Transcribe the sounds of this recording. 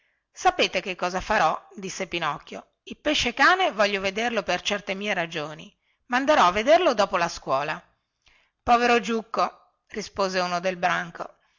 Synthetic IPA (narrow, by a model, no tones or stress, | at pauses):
sapeːt̪ekekːɔːzafaɾɔd̪isːepinɔkːjo̰ | ilpeʃːekaːnevɔʎːoved̪erlopert͡ʃɛrt̪emiːeɾad͡ʒoːnḭ | mand̪eɾɔavːed̪erlod̪ɔːpolaskwɔːla | pɔːveɾod͡ʒukːo | rispoːzeunod̪elbɾaŋko̰